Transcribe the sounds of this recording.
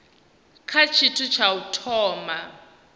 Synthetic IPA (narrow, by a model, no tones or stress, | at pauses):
kʰat͡ʃʰitʰut͡ʃʰautʰɔːma